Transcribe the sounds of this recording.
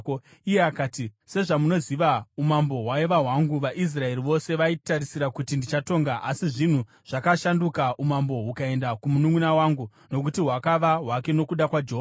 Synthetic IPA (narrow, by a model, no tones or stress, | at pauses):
ijeakaːtise̞ʐamuno̞ziʋaumambo̞ɦwaiʋaɦwaŋɡuʋaʔis̬rae̞riʋo̞se̞ʋaitaɾisiɾakutindit͡ʃato̞ːŋɡaʔasiʐin̤u | ʐ̥akaʃandukaʔumambo̞ɦukae̞ndakumunuŋunawaŋɡu | no̞k̬utiɦwakaʋaɦwake̞no̞kuɗakwad͡ʒeɦo